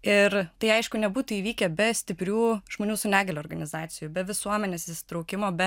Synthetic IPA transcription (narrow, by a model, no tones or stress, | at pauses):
ɪɾt̪ɐɪɐɪʃkʊnʲɛbuːt̪ʊiːʋʲiːkʲɛbʲɛsʲt̪ʲɪpʲɾʲuːʒmoːnʲuːsʊnʲæːɡʲɛlʲoːɾɡɐnʲɪzɑːt̪sʲɪjuːbʲɛʋʲɪsuɔmʲɛnʲeːsɪsʲɪ̥t̪ɾɐʊkʲɪmoːbʲɛ